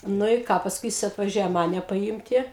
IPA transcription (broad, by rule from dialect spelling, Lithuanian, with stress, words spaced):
ˈnʊ ɪ ˈkɑː pɐsˈkʊɪ ˈjɪs ɐtʋɐˈʒʲuɔjɛ ˈmɑːnʲɛ pɐˈjiːmʲtʲɪ